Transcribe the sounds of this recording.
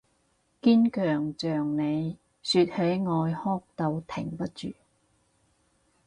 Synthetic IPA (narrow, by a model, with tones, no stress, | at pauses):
kiː˥nkœː˨˩ŋt͡ʃœː˨˩ŋne˨˧j | syː˧t̚he˨˥jŋɔː˧jhɔː˥k̚t̪ɐ˧wt̪ʰɪ̰˨˩ŋpɐ˥t̚t͡ʃy̰ː˨